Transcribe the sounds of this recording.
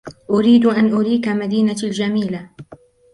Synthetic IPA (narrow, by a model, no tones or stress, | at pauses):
ʔʊɾiːd̪ʔanʔʊɾiːkamad̪iːnald͡ʒamiːla